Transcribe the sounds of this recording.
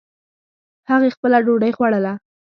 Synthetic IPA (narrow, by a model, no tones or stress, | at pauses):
haɣexpəlaɖoɖəjxwaɽəla